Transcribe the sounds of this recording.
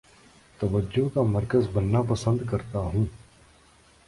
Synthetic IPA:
t̪ɐʋəd͡ʒokaməɾkəzbənːaːpəsə̃nd̪kɐɾt̪aɦũː

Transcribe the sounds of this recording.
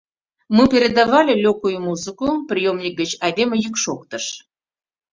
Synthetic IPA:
mɨpʲeɾʲed̪ɑvɑlʲelʲokujumuzɨkuprʲijomnʲik̚ɡət͡ɕɑd̪ʲemʲəjykʃokt̪əʃ

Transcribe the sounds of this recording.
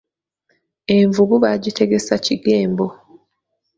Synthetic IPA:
e̞ɱvuɡuβaɟite̞ɡe̞saciɡe̞ːmbo̞

